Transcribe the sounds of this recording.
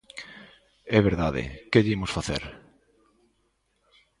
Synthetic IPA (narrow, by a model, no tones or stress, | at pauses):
ɛβeɾðaðḛkeðimosfaθḛɾ